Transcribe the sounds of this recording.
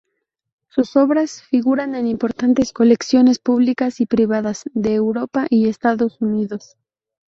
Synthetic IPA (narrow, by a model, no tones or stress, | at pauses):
suso̞βɾasfiɣuɾane̞nĩmpo̞ɾt̪ant̪e̞sko̞le̞ksjo̞ne̞spuβlikasipɾiβaðaz̥ðe̞ːwɾo̞paʔiest̪aðo̞suniðo̞s